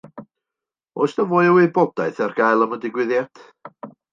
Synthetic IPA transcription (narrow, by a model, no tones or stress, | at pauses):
osnəvoːjəwebɔd̥aɨθɛrɡ̥ajlˠəmədɪɡwɪðjatʰ